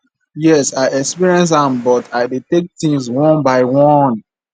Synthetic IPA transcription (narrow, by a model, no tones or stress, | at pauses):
jɛsaɪɛkspiɹiɛ̃ns̬ãmbɔtʰaɪdetek̚tĩŋswɔ̃nbaɪwɔ̃n